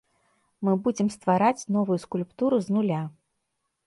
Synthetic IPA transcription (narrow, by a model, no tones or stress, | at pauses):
mɨbud͡zʲɛmst̪vaɾat͡sʲnɔvujuskulʲpt̪uɾuznulʲa